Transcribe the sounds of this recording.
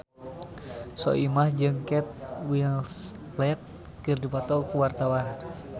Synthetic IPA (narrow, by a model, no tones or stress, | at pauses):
sɔ̰ʔimahd͡ʒɨŋkɛt̪̚wils | lɛt̪̚ | kɨrdipɔt̪ɔkuwart̪awan